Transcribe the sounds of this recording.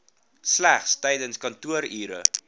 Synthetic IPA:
slæχstɛjdənskɐntuəɾiːɾə̰

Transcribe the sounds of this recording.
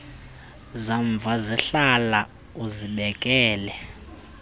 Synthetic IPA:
zaɱb̪vʱaziɬala | uziɓɛkʼɛːlɛ

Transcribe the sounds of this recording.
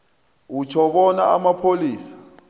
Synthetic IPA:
ut͡ʃʰɔɓɔnaamapʰoliːsḁ

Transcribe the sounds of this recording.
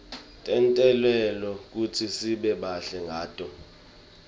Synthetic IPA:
tʼɛntʼɛlwɛlɔk̬utʰisiɓɛɓaɬɛŋɡʱaːtʼɔ

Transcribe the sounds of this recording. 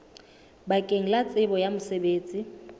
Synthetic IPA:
bakʼeŋ̩lat͡sʼɪbɔjamʊsebeːt͡sʼi

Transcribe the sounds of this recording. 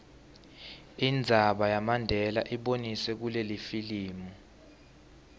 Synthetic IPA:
ind͡zʱaɓajamandʱɛlaʔiɓonisɛk̬ulelifiliːmu

